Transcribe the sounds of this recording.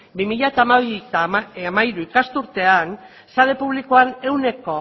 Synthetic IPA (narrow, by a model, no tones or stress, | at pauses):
bimiʎat̪aːmaβit̪amaiɾuikast̪uɾt̪e̞an | saðe̞puβ̞likoane̞wne̞ko̞